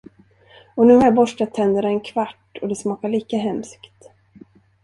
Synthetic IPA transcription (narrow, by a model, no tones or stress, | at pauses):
ɔnʉ̟ːhaɾjabɔʂʈat̪ʰːɛnd̪əɾaɛnkʰvaʈːɔd̪ɛsmɑːkaɭiːkaɦɛmskt̪